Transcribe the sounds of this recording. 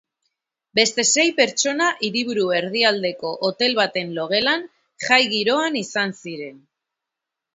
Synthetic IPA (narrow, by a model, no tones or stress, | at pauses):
be̞st̪e̞se̞jpe̞ɾt͡ʃo̞naʔiɾiβ̞uɾue̞ɾð̞iald̪e̞ko̞ʔot̪e̞lβat̪e̞nlo̞ɣ̞e̞lan | ʝajɣiɾo̞anisansiɾe̞n